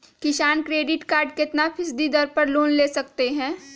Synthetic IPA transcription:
kɪʃaːnkɾeːɖɪʈkaːɾɖkɪt̪napʰɪsd̪id̪ɐɾpɐɾloːnleːsɐkt̪eɦɛ̃ː

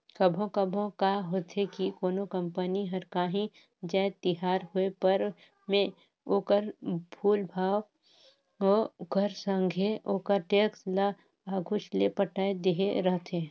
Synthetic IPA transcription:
kəbʱõkəbʱõkaːɦoːt̪ɦekikoːnokə̃mpəniɦɐɾkaːɦĩ | d͡ʒaːt̪ɪɦaːɾɦuepəɾ | mẽ | oːkəɾbʰʱuːlbʱaːw | okəɾsə̃ŋɡʱeoːkəɾʈeːksla | aːɡʱʊt͡ʃlepəʈaːed̪eɦeɾəɦt̪ɦẽː

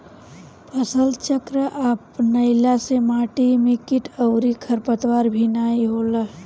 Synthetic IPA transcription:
pʰəsəlt͡ʃəkɾəʔaːpnəɪlasemaːʈimɪkɪʈəʊɾikʰəɾpət̪waːɾbʱinaːiɦoːla

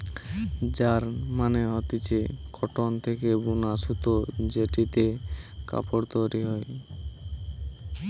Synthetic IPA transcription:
d͡ʑaɾmaneɔt̪it͡ɕekʰɔʈont̪ʰekebunasut̪od͡ʑeʈit̪eka̰poɾt̪oɾiɦɔj

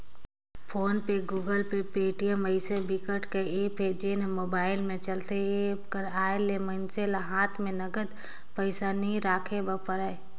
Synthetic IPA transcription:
pʰoːnpeɡuːɡəlpepeːʈijəməɪsebɪkəʈkeeped͡ʒeːnmoːbaːɪlmẽt͡ʃəlt̪eepkəɾaːelemənt͡ʃelaɦaːt̪ʰmẽnəɡəd̪ | pəɪsanĩɾaːkʰebəpəɾə

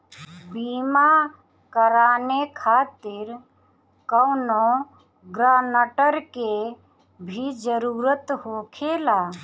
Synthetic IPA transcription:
bima | kəɾaːnekʰaːt̪ɪɾ | kəʊno | ɡɾaːnəʈəɾke | bʱid͡ʒəɾuɾət̪ɦoːkʰela

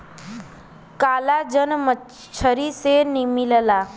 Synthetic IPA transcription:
kalad͡ʒənmə | t͡ʃʰəɾisenimiləla

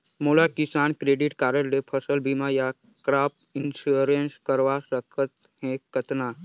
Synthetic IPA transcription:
moːlakisaːnkɾeːɖiʈkaːɾəɖepʰəsəlbimaja | kɾaːp | ɪnsuɾenskəɾʋasəkʰət̪ | hɛ̃kət̪naː

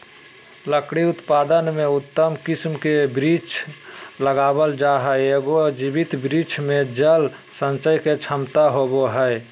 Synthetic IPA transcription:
ləkɽiʊt̪pad̪ənmeut̪ːəmkismkebɾit͡ʃʰləɡabəld͡ʒaɦɛeɡod͡ʒibit̪bɾit͡ʃʰmẽd͡ʒəl | sə̃nt͡ʃəjket͡ʃʰəmt̪aɦoboɦəe

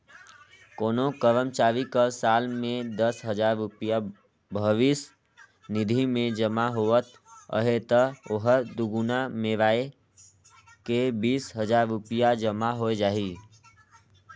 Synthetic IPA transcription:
koːnokəɾəmt͡ʃaːɾikəɾsaːlmẽd̪əsɦəd͡ʒaɾːʊpija | bʱəʋis | nid̪ʱimẽd͡ʒəmaɦoət̪ | ə̰ɦet̪əoɦəɾd̪uɡunameɾae | kebiːsɦəd͡ʒaɾːupijad͡ʒəmaɦoed͡ʒaːɦi

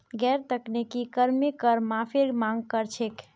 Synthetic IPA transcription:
ɡɛɾt̪əknekikəɾmekəɾmãpʰeɾmãŋɡ̚kəɾt͡ʃʰek

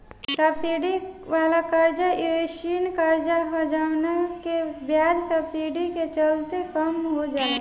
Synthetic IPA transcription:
ʈəpsiɖiʋaːlakəɾd͡ʒaʔeʃinkəɾd͡ʒaɦad͡ʒaːʋnakebjaːd͡ʒsəpsiːɖiket͡ʃəlt̪ekəmɦod͡ʒaːe

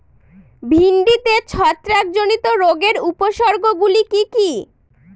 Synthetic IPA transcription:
bʱinɖit̪et͡ɕʰɔt̪ːɾak̚d͡ʑonit̪oɾoɡeɾupoʃɔɾɡoɡulikiki

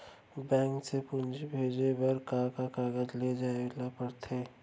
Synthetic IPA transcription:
bɛ̃ːŋksepʊnd͡ʒbʱeːd͡ʒebɐɾkakakaːɡəd͡ʒled͡ʒaːelapəɾt̪ʰeː

